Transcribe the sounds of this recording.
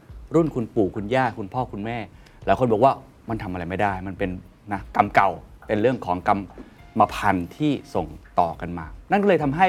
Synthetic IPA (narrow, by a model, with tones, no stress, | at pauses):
ɾu˥˩nkʰu˧npuː˨˩kʰu˧njaː˥˩kʰu˧npʰɔː˥˩kʰu˧nmɛː˥˩ | laː˨˦jkʰo˧nbɔ˨˩kwaː˥˩ | ma˧nt̪ʰa˧mʔa˧ɾa˧jma˥˩jdaː˥˩jma˧npe˧n | na˦˥ka˧mka˨˩wpe˧nɾɯ˥˩əŋkʰɔː˩˦ŋka˧mː | a˧pʰa˧nt̪ʰiː˥˩so˨˩ŋt̪ɔː˨˩ka˧nmaː˧na˥˩nkɔ˥˩ɤː˧jt̪ʰa˧mɦa˥˩j